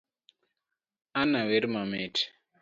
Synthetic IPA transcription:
anaweɾimamɛːtʰi̥

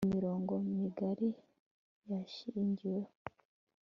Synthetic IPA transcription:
miɾoːŋɡomiɡaɾi | jaʃiɲɟiwe

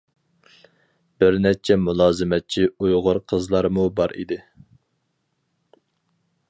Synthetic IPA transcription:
b̥ɪɾnɛt͡ʃʰɛmulˠɑːzɨmɛt̪̚t͡ʃʰiujʁʊɾqʰəzlˠɑɾmubɑɾḭd̪ɪ

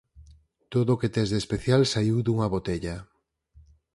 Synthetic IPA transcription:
t̪oðoket̪ezðespeθjalsaiwðuŋɐβot̪eʎɐ

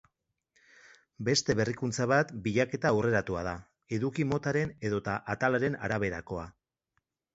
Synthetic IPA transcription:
be̞st̪e̞βe̞rikunt͡saβ̞at̪biʎake̞t̪aure̞ɾat̪uaða | e̞ðukimo̞t̪aɾe̞ne̞ðo̞t̪aʔat̪alaɾe̞na̰ɾaβ̞e̞ɾako̞a

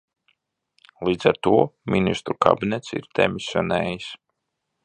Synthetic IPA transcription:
lˠiːd̪zaɾt̪uɔmʲinist̪ɾuka̰bʲinɛt̪sḭɾd̪̥ɛ̰misʲjɔnɛːjis

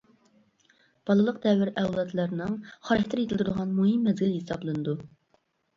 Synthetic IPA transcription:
b̥ɑlˠɨlˠəq̚d̪ɛwɪɾɛwlˠɑt̪lˠɑɾnɨŋχɑɾɪkʲt̪ʰɪɾjet̪ʰɪlt̪ʰɾd̪əʁɑnmuɦimːɛzɡʲɪlhesɑblˠɨnɨd̪u

